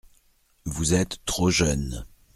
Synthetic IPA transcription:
vuzɛt̪ːχoʒœn

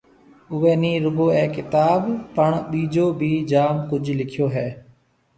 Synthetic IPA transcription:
ʊʋẽːnĩːɾʊɡoːɛ̃ːkɪt̪aːbpəɳɓiːd͡ʒoːbʱiːd͡ʒaːmkʊd͡ʒʱlɪkʰjoːɦɛː

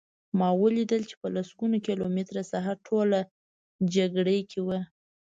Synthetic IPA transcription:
mɑwəlid̪əlt͡ʃe̥pəlasɡunokelomet̪ɾasaɦaɾʈʰola | d͡ʒaɡɽejkʰewa

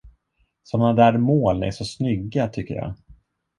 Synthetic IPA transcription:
sɔmnad̪æːɾmoːlnɛ̰ʂɔsnʏɡːat̪ʰʏkːə̰ɾjɑ̰ː

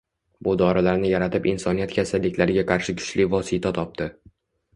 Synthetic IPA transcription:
bʊd̪ɒɾɪlaɾnɪjaɾat̪ʰɪpɪnsɒnijat̪kʲʰasalːɪkʲlaɾɪɡʲaqʰɑɾʃɪkʰʊ̥t͡ʃlɪvɒsɪt̪ʰat̪ʰɒp̚t̪ɪ

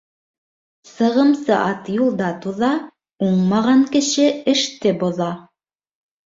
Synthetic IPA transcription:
sɤ̆ʁɤ̆msɤʔɑt̪julˠd̪ɑt̪uðɑ | uɴmɑʁɑŋkɘ̆ʃɘɘ̆ʃt̪ɘbŏðɑ

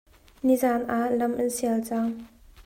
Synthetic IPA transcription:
nizaːnʔaʔlɐmʔɐnsiɛəlt͡saŋ

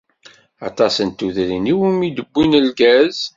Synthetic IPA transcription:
ɑ̰t̪ˤɑsənt̪ːuðɾiniwimid̪əbːinəlɡæz̥

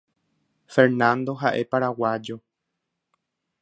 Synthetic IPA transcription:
feɾnãnd̪o̞ɦaʔe̞paɾawad͡ʒo̞

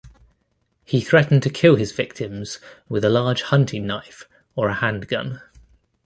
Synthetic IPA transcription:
hiθɹɛʔn̩tʰəkʰɪlˠɪzv̥ɪk̚tʰɪ̃mz̥wɪðəlɑːd̥ʒ̥hʌ̃ntʰɪ̃ŋnaɪf | əɹəhãnɡ̥ʌ̰̃n

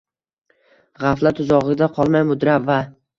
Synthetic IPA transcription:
ʁaflat̪ʰʊzɒʁɨd̪aqʰɒlˠmajmʊd̪ɾava

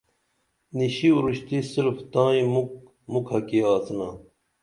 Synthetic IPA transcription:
niɕiuɾuɕt̪isiɾft̪ãːĩmuk | mukhɐkiaːt͡sna

